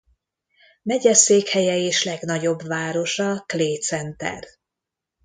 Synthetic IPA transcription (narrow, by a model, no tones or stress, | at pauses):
mɛɟɛseːkhɛjɛeːʃlɛɡnɒɟo̞bvaːɾo̞ʃɒkleːt̪sɛnt̪ɛ̰r